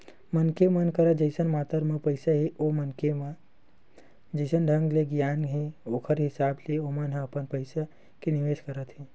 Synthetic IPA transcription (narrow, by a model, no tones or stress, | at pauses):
mənkemənkəɾəd͡ʒəɪsənmaːt̪əɾmẽpəɪsaɦiʔomənkem | d͡ʒəɪsənɖʱə̃ŋɡleɡjaːnɦeoːkʰəɾɦɪsaːbleomənɦə̃əpənpəɪsa | keniʋeːʃkəɾət̪ɦi